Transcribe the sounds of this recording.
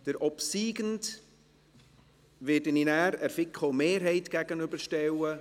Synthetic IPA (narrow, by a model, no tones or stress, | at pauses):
d̥əɾʔɔpsiːɡənd | ʋɪdəninæːɾæɾfɪkχomeːɾɦɛɪtɡ̥æɡənʏbəʃtɛwə